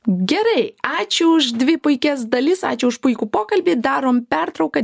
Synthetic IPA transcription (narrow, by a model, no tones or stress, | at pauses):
ɡʲɛɾɐɪɑːt͡ʃʲʊʊʃd̪ʲʋʲɪpʊɪkʲɛsd̪ɐlʲɪsɑ̰ːt͡ʃʲʊʊʃpʊɪkʲuːpoːkɐlʲbʲiːd̪ɑːɾoːmpʲɛɾt̪ɾɒʊkɐ